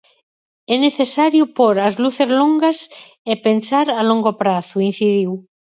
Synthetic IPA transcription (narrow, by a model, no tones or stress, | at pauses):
ɛneθesaɾjʊpoɾazluθezloŋɡas | epensaɾaloŋɡopɾaθuin̟θiðiw